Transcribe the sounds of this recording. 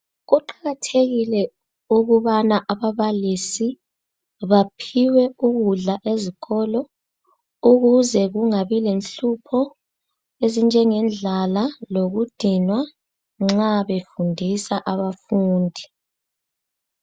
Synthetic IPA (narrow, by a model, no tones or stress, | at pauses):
ɣuǃaɣatʰeɣilɛ | uɣuβanaʔaβaβalisi | βapʰiwɛuɣuɮaʔeziɣɔlɔ | uɣuzɛɣuŋaβilenɬupʰɔ | ezind͡ʒʱɛŋɛnd͡ɮʱalaloɣud̥ʱinwa | ŋ͡ǁaβefundʱisaʔaβafuːndʱi